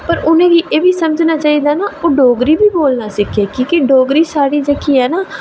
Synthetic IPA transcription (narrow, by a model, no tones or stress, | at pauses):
pəɾʊnẽːɡiːʔeːʋiːsəməd͡ʒnaːt͡ʃaːɦiːd̪aːnaːoːɖoːɡɾiːbiːboːlnaːsɪkʰeːkiːkɪɖoːɡɾiːsaːɽiːd͡ʒəkiːɦɛːnaː